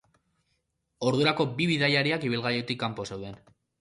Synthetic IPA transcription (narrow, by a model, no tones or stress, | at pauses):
o̞ɾðuɾako̞biβiðajaɾiakiβ̞ilɣaɾjet̪ikːampo̞se̞wðe̞n